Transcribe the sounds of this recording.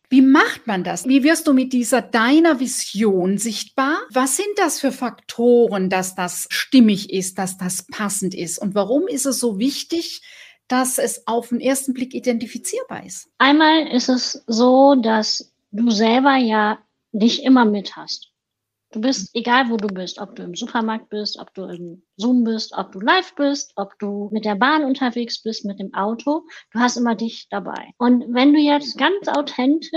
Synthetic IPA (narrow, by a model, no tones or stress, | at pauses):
v̥iːmaχtmandasviːvɪɐstd̥uːmɪt̚d̥iːzɐdaɪnɐvɪzjoːnzɪçt̚b̥aːɐvasz̥ɪnt̚d̥asfyːɐfaktʰoːʁəndasd̥asʃtɪmɪçɪst̚d̥asd̥aspʰasn̩tɪstʊntv̥aʁʊmɪstɛsz̥oːvɪçtɪç | d̥asɛsaʊfɪmʔeːɐstn̩blɪkidɛntifit͡siːɐba̰ːɐʔɪstʔaɪnmaːlɪstɛszoːdas | d̥uːzɛlbɐjaː | dɪçʔɪmɐmɪthast | d̥uːbɪstʔeɡaːlvoːduːbɪstʔɔp̚d̥uːɪmzuːpʰɐmaɐk̚t̚b̥ɪstʔɔ̰p̚d̥uːɪm | zuːmbɪstʔɔ̰p̚d̥uːlaɪfb̥ɪstʔɔpd̥uːmɪt̚d̥eːɐbaːnʊntʰɐveːksb̥ɪstmɪt̚d̥eːmʔaʊtʰod̥uːɦastʔɪmɐdɪçd̥aba̰ɪʔʊntvɛnduːjɛt͡stɡ̥ant͡sʔa̰ʊtʰɛntʰɪ